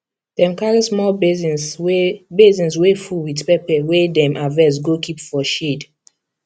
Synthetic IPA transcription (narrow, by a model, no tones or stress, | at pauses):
d̥ɛ̃mkaɹismɔlbz | bezĩnswefuwidpɛpɛwedɛ̃mʔavɛs̬ɡokʰipfɔʃed